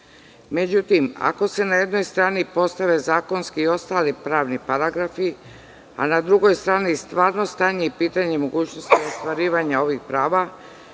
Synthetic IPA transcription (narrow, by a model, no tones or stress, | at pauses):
me̞d͡ʑut̪ima̰ko̞se̞naje̞d̪no̞jst̪ɾaːnipo̞st̪aʋe̞zaːko̞nskiːo̞st̪aːlipɾaːʋnipaɾaɡɾafi | a̰nad̪ɾuɡo̞jst̪ɾaːnist̪ʋaːɾno̞st̪aːɲe̞ipiːt̪aɲe̞mo̞ɡuːt͡ɕno̞st̪iost̪ʋaɾiːʋaɲao̞ʋixpɾaːʋa